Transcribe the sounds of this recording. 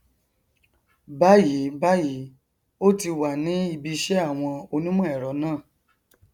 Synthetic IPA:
ba˦ji˨˦ba˦ji˨˦ | o˦ti˧wa˨nĩ˨˦i˧bi˧ʃɛ˦a˦˨w̃ɔ̃˧o˧nũ˦mɔ̃˦ɛ˨ɾɔ˨˦nãː˦˨

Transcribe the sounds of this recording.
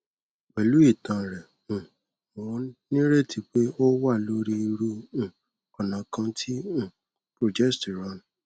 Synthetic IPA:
k͡pɛ˨lu˨˦i˦˨tã˨ɾɛ˨ | ũ˨ | mɔ̃˨˦nĩ˦ɾe˦ti˧k͡pe˦o˦wa˦˨lo˦ɾi˧˦i˧ɾũ˧˨ | ɔ˨nã˨˦kã˧tʰĩ˦˨ | pɾo˨d͡ʒɛ˦sti˨ɾa˨˦˨n˨

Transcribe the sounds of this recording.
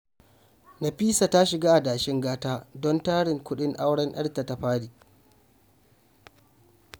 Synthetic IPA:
na˨ɸiː˦sa˨ta˦ʃɪ˨ɡaː˦ʔa˨daː˨ʃɪ˦ŋɡaː˦taː˦dɔ˦ntaː˦ɽɪ˨ŋkʷʊ˦ɗɪ˦ŋʔa˦wɽɐ˦nɗɐ̰˦rta˨ta˨ɸaː˦diː˨ʔ

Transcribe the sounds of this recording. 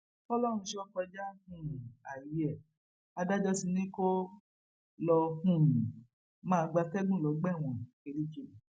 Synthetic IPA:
ɔ˦lɔ˦ɾ̃ũ˧ʃe˦ɔ˦kɔ˧d͡ʒa˦hũ˦˨ũ˨a˨ji˨˦ɛ˦˨ | a˧da˦d͡ʒɔ˦si˧nĩ˦ko˦ | lɔ˧hũ˦˨ɾ | mãː˦˧ɡ͡ba˧fɛ˦ɡũ˦˨lɔ˨˦ɡ͡bɛ˦˨w̃ɔ̃˨ke˨˧ɾi˦ke˧nĩ˨

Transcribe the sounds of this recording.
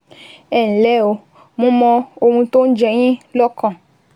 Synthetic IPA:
ɛ˨n̩˨lɛ˨˦˨o˧ | mũ˦mɔ̃˧o˧mũ˧t̪o˦n̩˦d͡ʒɛ˧ɲ̃ĩ˦lɔ˦kɔ̃˦˨

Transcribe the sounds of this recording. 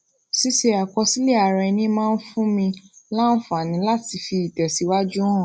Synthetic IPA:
si˦ʃe˧a˨kɔ˧si˦le˦˨a˨ɾɛ˧nĩ˦mãː˦˧n̩˦fũ˦mĩ˧la˦n̩˦fu˦a˨nĩ˨˦la˦ti˧fi˧i˨tɛ˨si˨˦wa˦d͡ʒu˦wɔ̃ː˦˨

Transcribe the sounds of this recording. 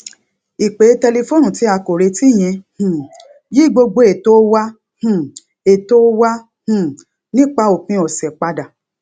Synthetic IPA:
i˨k͡pe˨˦tɛ˧le˧fo˦nũ˦˨ti˨˦a˧ko˨ɾe˧ti˦˨j̃ẽ˧hũ˨ | ji˦˨ɡ͡bo˧ɡ͡bo˧˦e˨to˦wa˦ | hũ˦˨ | e˨to˦wa˦ | hũ˨ | nĩ˦k͡pa˧o˨k͡pĩ˧˦ɔ˨sɛ˨k͡pa˧da˨

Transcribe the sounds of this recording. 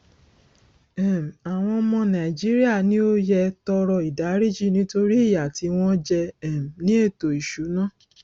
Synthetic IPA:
ɛ˨m˨a˨w̃ɔ̃˧mɔ̃˧nã˨i˨d͡ʒi˦ɾi˦a˦˨nĩ˦o˦jɛ˧tɔ˧ɾɔ˧i˨da˨˦ɾi˦˨d͡ʒi˦˨nĩ˨˦to˧ɾi˦i˦˨ja˨ti˧w̃ɔ̃˦d͡ʒɛ˧ɛ˦˨m˨nĩ˦e˦˨to˨i˨ʃu˨˦nã˦˨

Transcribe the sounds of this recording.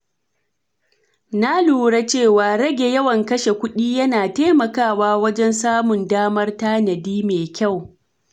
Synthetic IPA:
na˦luː˨ɽa˦t͡ʃeː˦˨waː˨ɽɐ˦ɡʲe˨jɐ˦wɐ˨ŋkɐ˦ʃe˨kʷʊ˦ɗiː˦jɐ˦naː˨teː˦mɐ˨kaː˦˨waː˦wɐ˦d͡ʒɛ˦nsaː˦mʊ˨ndaː˦mɐ˦rtaː˦nɐ˨diː˦meː˨kʲa˦˨w

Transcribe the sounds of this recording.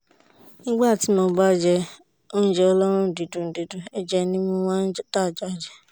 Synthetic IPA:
nĩ˦ɡ͡ba˦˨ti˨˦mɔ̃˧ba˦˨d͡ʒɛ˧ | o˦n̩˦d͡ʒɛ˦ɔ˦lɔ˦ɾ̃ũ˦˨di˨du˨n̩˨di˨du˨e˦d͡ʒɛ˦nĩ˦mũ˦wã˦n̩˦ta˦˨d͡ʒa˨˦˨d͡ʒɛ˨

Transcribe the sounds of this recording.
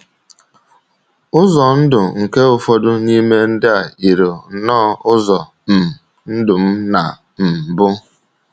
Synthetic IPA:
ʊ˦zɔ˨n̩˦dʊ˨ŋ̩˨ke˦ʊ˨fɔ˦dʊ˦ni˦me˦n̩˦dɪ˦a˨i˨ɾo˨nɔː˦ʊ˦zɔ˨ | m̩˨ | n̩˦dʊ˨m̩˦na̰˨ | m̩˨bʊ˦

